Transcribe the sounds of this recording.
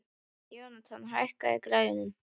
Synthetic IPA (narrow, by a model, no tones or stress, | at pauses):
jownat̪ʰanɦahkaɛkɾajðɪnʏm